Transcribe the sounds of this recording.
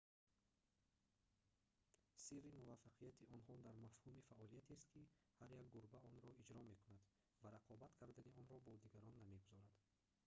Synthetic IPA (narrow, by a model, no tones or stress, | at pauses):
sirːimuvafːaqʰijat̪ʰiʔɔnɦɔd̪aɾmafhumifaʔɔlijat̪ʰest̪kihaɾjakɡuɾbaɔnɾɔid͡ʒɾɔme̞kʰunad̪ | vaɾaqʰɔbat̪kʰaɾd̪aniɔnɾɔbɔd̪iɡaɾɔnːameɡuzɔɾad̪̥